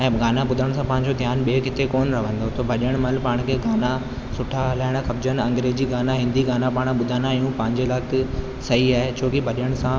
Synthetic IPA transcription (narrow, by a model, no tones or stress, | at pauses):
ɛ̃ːɡaːnabʊd̪ʱəɽ̃sãpɐ̃ɦɪ̃ɲd͡ʑod̪ʱjaːnɓiekɪt̪ekoːnɾɐʋ̤ə̃nd̪ot̪obʱɐɗijəɽ̃mɐlpaːɽ̃kʰeɡaːna | sʊʈʰaɐlaːɪɽ̃xɐbd͡ʑənɐ̃ŋɡɾeːd͡ʑiːɡaːnaɦɪ̃nd̪iɡaːnapaːɽ̃ɓʊd̪ʱaːnaijũpɐ̃ɦɪ̃ɲd͡ʑelaːk | sɐɦiaːɦet͡ɕʰoːkibʱɐɗijəɽ̃sã